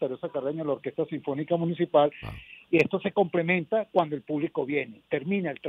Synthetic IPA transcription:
aɾjosakareɲalaoɾke̞st̪asiɱfo̞nikamũnis̬ipalie̞st̪o̞se̞ko̞mple̞mẽ̞nt̪akwand̪oe̞lpuβliko̞βje̞ne̞t̪e̞ɾmĩnaelt̪ɾ

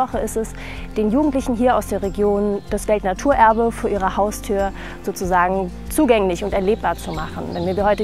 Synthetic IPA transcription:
ɔχəɪstɛs | d̥eːnjuːɡŋ̩tlɪçn̩ɦiːɐaʊsd̥eːɐʁeɡjoːnd̥asv̥ɛltnatʰuːɐʔɛɐbəfoːɐʔiːʁ̞ɐhaʊstʰyːɐ | z̥oːt͡suzaːɡŋ̩ | t͡suːɡɛŋlɪçʊntɛɐleːp̚b̥aːɐt͡sumaχn̩vɛnviɐiːhɔʏtə

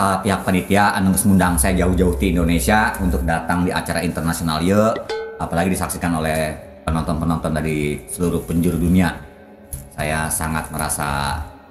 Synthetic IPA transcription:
kalapiɦak̚panit̪iaʔanəŋəsmundaŋsajad͡ʒaʊhd͡ʒaʊht̪iːndonesiaunt̪ʊk̚dat̪aŋdiʔa̰t͡ʃaɾaint̪ərnasionalijəapalaɡidisaksikanolɛh | pənɔnt̪ɔnpənɔnt̪ɔndaɾisəluɾʊhpəɲd͡ʒuɾudunia | sajasa̰ŋa̰t̪̚məɾa̰sa̰

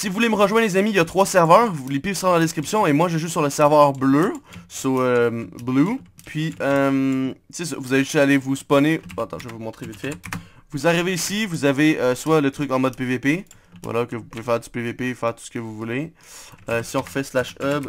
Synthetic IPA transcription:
sivuvuleməʁəʒwɛ̃d̪lezamijat̪χwasɛʁvœːʁulepifsɑ̃d̪ɑlad̪eskχipsjɔ̃emwaʒəʒusyʁləsɛʁvœːʁbløsoøblupʰɥiœmsesɔ̰vuzaveʒsalevuspɔnẽat̪ɑ̰̃ʒəvumɔ̃t̪χevit̪fɛvuzaʁiveːsivuzaveøswalət̪χʏkɑ̃mɔd̪̚pevepe | vwa̰lʔakəvupuvefɛːʁypevepefɛːʁt̪u̥sə̥kəvuvule | øsiɔ̃ʁfɛslaʃœb

